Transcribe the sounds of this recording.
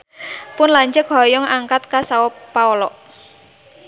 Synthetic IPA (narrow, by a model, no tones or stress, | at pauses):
pʊnlaɲd͡ʒək̚ɦɔ̤jɔŋaŋkat̪̚kasawɔpaɔlɔʔ